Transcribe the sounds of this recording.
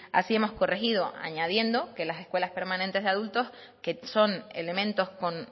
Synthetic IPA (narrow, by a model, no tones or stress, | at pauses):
a̰sie̞mosko̞rexiðo̞ʔa̰ɲað̞je̞nd̪o̞ke̞lase̞hkwe̞laspe̞ɾmãnẽnt̪e̞ɦðaðult̪o̞s | keso̞nḛle̞mẽnt̪o̞sko̞n